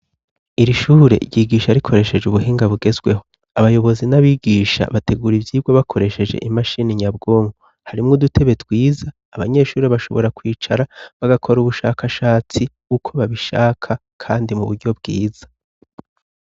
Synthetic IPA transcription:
iɾiʃuːɾe̞̰ʔiɟiɡiːʃaɾikʰo̞ɾe̞ʃe̞d͡ʒuβuɦiːŋɡaβuɡe̞zɡwe̞ɦo̞ | aβajo̞βo̞zinaβiɡiːʃa̰βate̞ɡuːɾivjiːb̚ɡoβakʰo̞ɾe̞ʃe̞d͡ʒe̞̰ʔimaʃiniɲabɡo̞ːmɡu | haɾimŋodutʰe̞βe̞twiːzaːβaɲe̞ʃuːɾeβaʃo̞βo̞̰ɾakwiːt͡ʃaɾaβaɡakʰo̞ɾuβuʃakʰaʃaːt͡si | ukʰo̞βaβiʃa̰ːkʰa | kʰaːndimuβuɾɟo̞bɡiːz̥ḁ

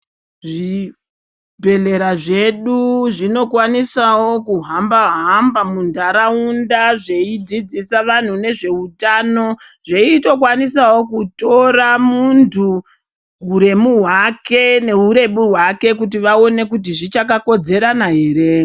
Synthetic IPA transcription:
ʐi | bʱe̞le̞ɾaʐe̞ɗuʐino̞kwanisawo̞kuɦambaɦambamundaɾaundaʐeid͡zid͡zisaʋan̤une̞ʐe̞utaːno̞ʐeito̞kwanisawo̞kuto̞ramuntʰu | uɾe̞muɦwake̞ne̞uɾe̞ɓuɦwake̞k̬ut̬iʋao̞ne̞kut̬iʐit͡ʃakako̞d͡ze̞ɾanaɦeːɾe

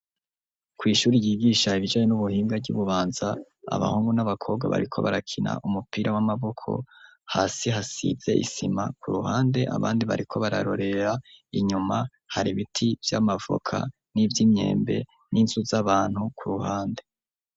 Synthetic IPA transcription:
kwiːʃuːɾijiːɡiːʃaiβid͡ʒaːɲenuβuhiːmɡaɟṵβuβaːnza | a̰βa̰huːŋɡunaβakʰo̞ːbɡwa̰βa̰ɾikʰo̞̰βaɾakʰina̰ʔumupiːɾʔawamaβo̞kʰo̞̰ | haːsiɦasḭze̞̰ʔḭsimakʰuɾuhaːnde̞ʔa̰βaːndiβa̰ɾikʰo̞βaɾa̰ɾo̞ɾe̞ɾaiɲuma | haɾiβitʰivjamavo̰kʰa̰ | nivjime̞̰ːmbe̞̰ | ninzuzaβaːn̥hukuɾuhaːnde̞

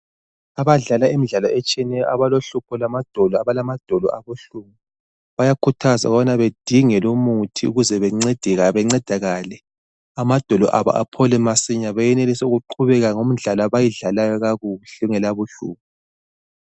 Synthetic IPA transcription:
aβaɮalaimiɮalɔɛt͡ʃʼiɛnɛjɔʔaβaloɬupʰɔlamad̥ʱɔlɔaβalamad̥ʱɔlɔ̰ʔaβuɬumi | βajakʰutʰaza̰uɣβanaβed̥ʱiŋɛlomutʰiuɣuzɛβɛŋ͡ǀed̥ʱiɣaβɛŋ͡ǀɛd̥ʱaɣaːlɛ | amad̥ʱɔlɔʔaβa̰ʔa̰pʰɔlɛmasiɲaβajɛnelisɛuɣuǃʰuβɛɣaŋom̩ɮalaβajiɮalajɔɣaɣuɬɛŋɛlaβuɬṵːp̚ʰu

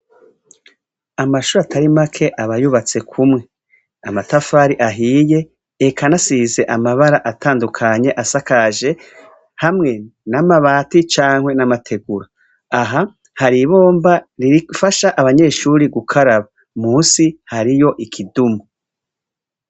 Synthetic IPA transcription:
amaʃuːɾatʰaɾimakʰe̞ʔaβajuβat͡se̞kʰumŋe̞ | amatafaɾiʔaɦiːje̞ː | kʰanasize̞ʔamaβaɾaʔatʰaːndukʰaɲe̞ʔasakaʒe̞ | hamŋe̞namaβaːtit͡ʃaːŋhwe̞namatʰe̞ɡuɾaː | ɦa | haɾiβo̞ːmbaɾiɾifaʃaʔaβaɲe̞ʃuːɾiɡukʰaɾaβa | muːnsihaɾijo̞ʔikʰidumu

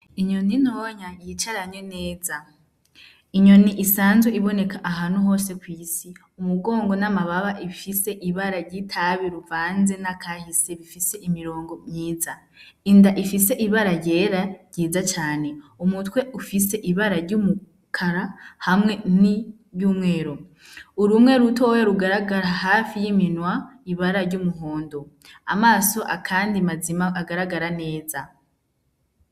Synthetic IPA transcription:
iɲo̞ninoːɲajit͡ʃaɾaɲwene̞ːza | iɲo̞niʔisaːnzweiβo̞ne̞kaʔaɦaːnhuɦo̞ːse̞kwiːsi | umuɡo̞ːŋɡo̞namaβaβaʔifise̞ʔiβaɾaɾɟitʰaβiɾuvaːnze̞nakʰahise̞βifise̞ʔimiɾo̞ːŋɡo̞mɲiːza | indaʔifise̞ʔiβaɾaɾɟe̞ːɾaɾjɟiːzat͡ʃaːne̞umutwe̞ʔufise̞ʔiβaɾaɾɟumu | kʰaɾahamŋe̞ni | juːmŋe̞ːɾo | uɾumŋe̞ɾutʰoweɾuɡaɾaɡaɾaɦafijiminwaiβaɾaɾɟumuɦo̞ːndo | a̰maːso̞ʔa̰kʰaːndimazimaaɡaɾaɡaɾane̞ːza

